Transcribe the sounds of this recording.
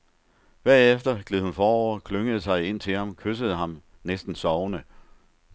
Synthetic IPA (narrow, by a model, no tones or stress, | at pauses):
ʋ̥æɐ̰efd̥ɐɡ̥leð̩ˠhunfɒːɒʊ̰ɐkʰløŋəð̞̩ˠsɑ̈ɪe̝n̰t͡sʰe̝lhɑ̈mkʰøsəð̞̩ˠəɦɑ̈m | nesd̥n̩sɒʊnə